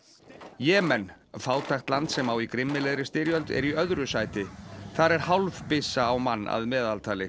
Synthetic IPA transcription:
jɛːmɛn | faːwt̪ʰajxt̪lant̪sɛmawikɾɪmːɪlɛðɾɪst̪ɪɾjœlt̪ɛ̰ɾiœðɾʏsaːjt̪ɪθaɾɛɾ̥hawlvpɪsaːwmanːa̰ðmɛːðalt̪ʰaːlɪ

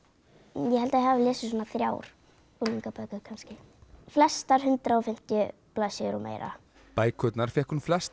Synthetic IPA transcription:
jɛɦɛlt̪ajɛhavɪlɛːsɪsɔːnaθɾja̰ːwɾ̥ | uliŋkapœkʏkʰanscɪ | flɛst̪aɾ̥hʏnt̪ɾaɔfɪm̥t̪jʏ | plasɪɾɔ̰mʔḛːjɾa̰ | paːjkʰœt̪naɾ̥fɛhkunflɛst̪

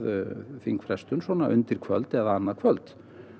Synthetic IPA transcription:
ðfiŋkfɾɛst̪ʏnsvɔːnaʔʏnt̪ɪɾ̥kʰvœ̰lt̪ɛðaanːakʰvœlt̪

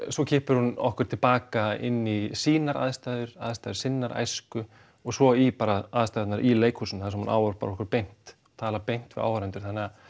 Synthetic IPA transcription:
swɔcʰɪːhpʏɾ̥hunɔ̰hkʏɾ̥t̪ʰɪlpaːkaɪ̰nːisiːnaɾa̰ðst̪ajðʏɾa̰ðst̪ajðʏɾ̥sɪnːaɾʔa̰jskʏ | ɔɣsɔipaɾaaðst̪ajt̪naɾʔileːjkhuːsʏnθasɛmhuna̰ːwɔɾ̥pa̰ɾɔhkʏɾpejn̥t̪ɔt̪ʰaːlapejn̥t̪vɪða̰ːwvaɾɛnt̪ʏɾ̥θanːɪa

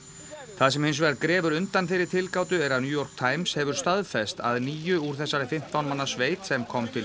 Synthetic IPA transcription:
θaðs̬ɛmhɪns̬vɛakɾɛːvʏɾʏnt̪anθeɪjɾɪɾ̥t̪ʰɪlkaːwt̪ʏɛɾaðnjuːjɔɾ̥k̚t̪ʰaːjmshɛvʏɾ̥st̪aðfɛst̪a̰ðniːjʏuɾ̥θɛsːaɾɪfɪm̥t̪awnmanːasveːjt̪sɛmkʰɔmt̪ʰɪl

